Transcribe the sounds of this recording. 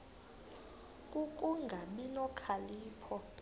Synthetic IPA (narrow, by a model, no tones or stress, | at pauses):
kʼukʼuŋɡʱaɓinɔkʰaliːpʰɔ